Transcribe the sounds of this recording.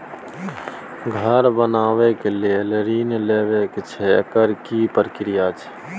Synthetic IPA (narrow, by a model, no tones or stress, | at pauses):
ɡʱəɾbənaːwekelieləɾiːnleːʋeket͡ʃʰɛəkəɾkipəɾkɾijaːt͡ʃʰ